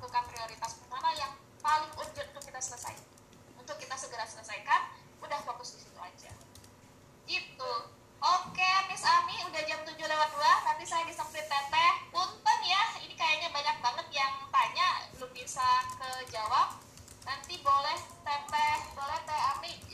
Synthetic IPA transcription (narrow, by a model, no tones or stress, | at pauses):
d̪ukanpɾioɾit̪asbəmanajaŋ | palɪŋpuɲd͡ʒʊt̪unt̪ʊkːit̪asələsa̰j | unt̪ʊkːit̪asəɡəɾasələsaikan | udahfokʊsdisit̪ua̰d͡ʒa̰ | it̪u | ʔokemɪsamiudahd͡ʒamt̪uɲd͡ʒʊlawat̪̚ulahnant̪isajadisampɾit̪ɛpɛhunt̪ʊŋjahinikajaɲabaɲak̚baŋət̪̚jaŋt̪aɲabəlʊmbisakəd͡ʒawap̚ | nant̪ibolɛht̪ɛpɛhbolɛht̪ɛami